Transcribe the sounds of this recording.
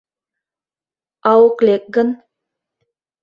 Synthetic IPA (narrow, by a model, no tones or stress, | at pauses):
ɑwoklek̚ɡə̆n